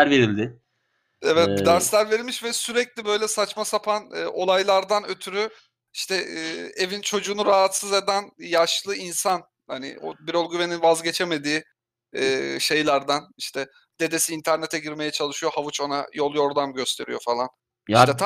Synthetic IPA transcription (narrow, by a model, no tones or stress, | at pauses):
ɾveɾilʲd̪ɪ | ɛvɛt̪d̪æɾslʲæɾve̞ɾilmiʃvɛsyɾɛclʲibø̞jlʲɛsat͡ʃmasapʰanɯ̰ːʔo̞lˠajlˠaɾd̪anøt̪ʰyɾy | iʃt̪ʰɛːevint͡ʃʰo̞d͡ʒuːnuɾaɦat̪sɯze̞d̪ænjaʃlˠɯinsan | hanɪ̰o̰biɾolˠɡyve̞ninvazɟe̞t͡ʃʰe̞me̞d̪iː | ʃejlˠaɾd̪aniʃt̪ʰɛ | d̪̥e̞d̪e̞siːnt̪ʰæɾne̞t̪ʰɛɟiɾme̞jɛt͡ʃʰalˠɯʃyjo̞havut͡ʃo̞najo̞lˠjo̞ɾd̪anɟø̞st̪ʰe̞ɾijo̞falˠan | iʃt̪ɛt̪ʰ